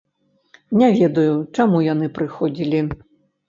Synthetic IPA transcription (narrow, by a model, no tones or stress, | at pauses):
nʲavʲɛd̪ujut͡ʂamujanɨpɾɨxɔd͡zʲilʲi